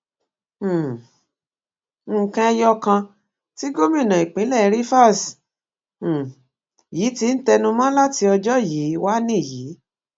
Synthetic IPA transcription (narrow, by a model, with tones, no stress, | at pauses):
kã˧ɛ˧jɔ˦kã˧ | ti˦ɡo˦mĩ˦˨nã˨i˨k͡pĩ˨˦lɛ˦˨˧ɾi˦fa˦˨s̩˨ | ji˨˦ti˧˦n̩˦tɛ˧nũ˧mã˦la˦ti˧ɔ˧d͡ʒɔ˦˨ji˨˦wa˦nĩ˦˨ji˨˦